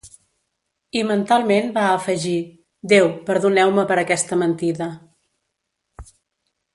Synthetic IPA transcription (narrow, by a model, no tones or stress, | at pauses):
imənt̪alˠmenbaəfəʒi | d̪ewpəɾðunɛwməpəɾəkɛst̪əmənt̪iðə